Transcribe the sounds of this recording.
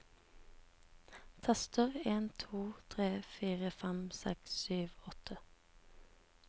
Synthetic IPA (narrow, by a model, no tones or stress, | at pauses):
t̪ʰɛst̪əʁeːnt̪ʰuːt̪ʰʁeːfiːʁəfɛmsɛ̰kssyːʋɔt̪ʰə